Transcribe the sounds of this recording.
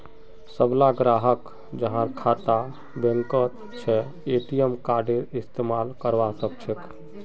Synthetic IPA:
səblaɡɾaɦək | d͡ʒəɦãɾkʰat̪a | bẽŋkət̪ | t͡ʃʰɛ | eʈijəmkaɾɖeɾist̪emalkəɾʋasək̚t͡ʃʰek

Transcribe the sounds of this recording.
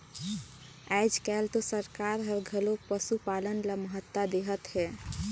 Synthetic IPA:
ajd͡ʒkɛlt̪osəɾkaɾɦəbɡʱəlopəsupalənlaməɦət̪ːad̪eɦət̪ɦɛ

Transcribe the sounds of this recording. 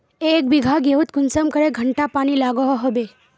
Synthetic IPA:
ek̚biɡʱaɡeut̪̚kunsəmkəɾeɡʱəɳʈapaɽ̃iːlaɡɔɦɦobe

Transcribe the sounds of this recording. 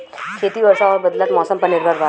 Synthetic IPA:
kʰeːt̪iʋɐɾʃaɔːɾbɐd̪lət̪mɔːsəmpənɪɾbʱəɾʋaː

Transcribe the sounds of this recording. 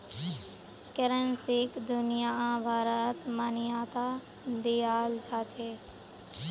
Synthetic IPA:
keɾənsikd̪unijaãbʱaːɾət̪mənijat̪a | d̪ijaːld͡ʒʱat͡ʃʰe

